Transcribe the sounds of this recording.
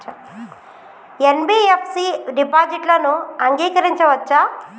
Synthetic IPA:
enbiːepʰsiɖipaːd͡ʒiʈlɐnuɐŋɡiːkɐɾiɲt͡ʃɐʋɐt͡ʃːa

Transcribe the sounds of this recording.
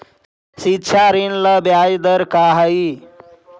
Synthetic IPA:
sitːt͡ʃʰaɾinləbjajd̪əɾkaɦəi

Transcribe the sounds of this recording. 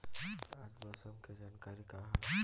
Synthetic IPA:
ad͡ʒbəsəmked͡ʒankaɾikaɦ

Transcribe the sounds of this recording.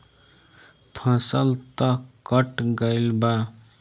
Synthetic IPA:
pʰə̃səlt̪əkəʈɡəɪlba

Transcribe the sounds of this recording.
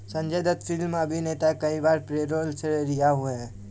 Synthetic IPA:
sɐ̃ɲd͡ʒed̪ət̪fɪlmɐbʱineːt̪akɐibaːɾpɾeːɾoːlseɾijaɦueɛ̃

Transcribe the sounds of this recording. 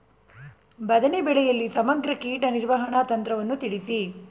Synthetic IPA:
bɐd̪ɐnebɛɭɛjɐlːisɐmɐɡɾɐkiːʈɐniɾʋɐɦɐɳat̪ɐnt̪ɾɐʋɐnːut̪iɽisi

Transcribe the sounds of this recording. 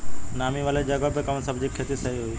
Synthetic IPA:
naːmiʋaːled͡ʒɐɡabekɐmnsəbd͡ʑikʰeːt̪isɐɦiɦʊiː

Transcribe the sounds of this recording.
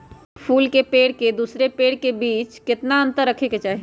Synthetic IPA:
pʰuːlkepeːɽked̪uːsɾepeːɽkebiːt͡ʃkɪt̪naə̃nt̪əɾːəkʰeket͡ʃaːɦi

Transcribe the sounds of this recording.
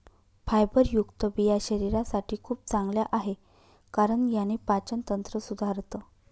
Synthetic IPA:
fajbəɾjukt̪əbijaɕəɾiɾasaʈʰiːkʰuːp̚t͡sãŋɡljaʔaɦe | kaɾəɳjanepat͡ɕənt̪ənt̪ɾəsud̪ʱaɾt̪ə

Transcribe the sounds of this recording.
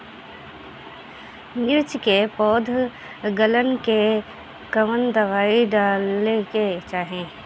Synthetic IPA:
mɪɾt͡ʃkepɔːd̪ʱ | ɡələnke | kəmənd̪əʋaːiɖaːleket͡ʃaːɦẽː

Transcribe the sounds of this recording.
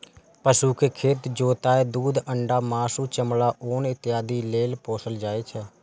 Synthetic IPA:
pəsuːkekʰeːt̪d͡ʒoːt̪aːeːd̪uːd̪əɳɖaːmaːsuːt͡ʃəmlaːʔoːnɪt̪ɪjaːd̪iːleːlpoːsəld͡ʒaːeːt͡ʃʰɛː

